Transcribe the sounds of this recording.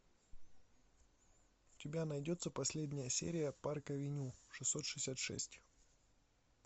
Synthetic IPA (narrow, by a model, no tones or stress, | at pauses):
ʊtʲɪbʲanɐjdʲo̞t̪səpɐsʲlʲedʲnʲɪjəsʲḛɾʲɪjəparkəvʲɪnʲuʂɨsːot̪ʂɨ̥sʲat̪ʂɛ̰sʲtʲ